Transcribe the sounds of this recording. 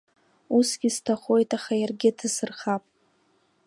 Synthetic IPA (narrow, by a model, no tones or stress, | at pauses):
usɡʲiztʰaχo̞jtʼaχajarɡʲɪtʰɨsɨrχapʼ